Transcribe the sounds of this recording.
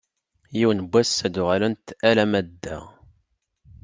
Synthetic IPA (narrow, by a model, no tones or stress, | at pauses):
jiwnbʷːæsːæd̪uʁælənt̪ælæmæd̪ːæ̰